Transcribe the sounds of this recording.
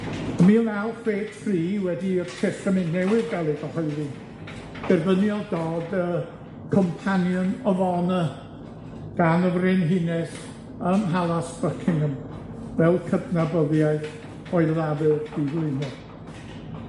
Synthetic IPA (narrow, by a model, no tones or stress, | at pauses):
əmiːlalˠkʰweːtʰriːwɛdiətʰɛsənɪnnɛwɪðɡɛlˠɪdɔhɔɨði | d̥ɛrvənjɔlˠdoːdə | kʰɔmpʰanjənəvɔnə | ɡ̥anəvrɪnɦɪnɛs | əmɦalˠasb̥əkʰɪŋəmvɛlˠkʰəbnabəðjaɨθ | ɔɨlˠavɪlˠd̥ivlˠɪnɔ